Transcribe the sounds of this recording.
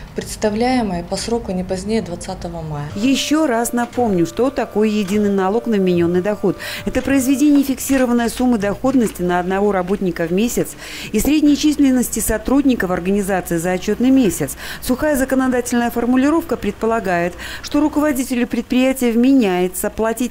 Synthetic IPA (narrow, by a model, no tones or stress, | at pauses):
pɾʲɪt̪st̪ɐvlʲæjɪməjəpɐsɾokʊnʲɪpɐzʲnʲejəd̪vɐt̪sat̪əvəmajəjɪɕːo̞ɾasnɐpo̞mnʲʊʂt̪ot̪ɐko̞jjɪdʲinːɨjnɐlˠo̞knəvmʲɪnʲo̞nːɨjd̪ɐxo̞t̪ɛt̪əpɾəɪzvʲɪdʲenʲɪjəfʲɪksʲiɾəvənːəjəsumːɨd̪ɐxo̞d̪nəsʲtʲɪnəɐd̪nɐvo̞ɾɐbo̞tʲnʲɪkəvmʲesʲɪt̪s | isɾʲɪdʲnʲɪt͡ɕisʲlʲɪnːəsʲtʲɪsɐt̪ɾudʲnʲɪkəfɐrɡənʲɪzat̪sɨɪzəːt͡ɕːot̪nɨjmʲesʲɪt̪ssʊxajəzəkənɐd̪atʲɪlʲnəjəfərmʊlʲɪɾo̞fkəpɾʲɪt̪̚pəlˠɐɡajɪt̪ʂt̪o̞ɾʊkəvɐdʲitʲɪlʲʊpɾʲɪt̪̚pɾʲɪjætʲɪjəvmʲɪnʲæjɪt̪səplˠɐtʲit̚ʲ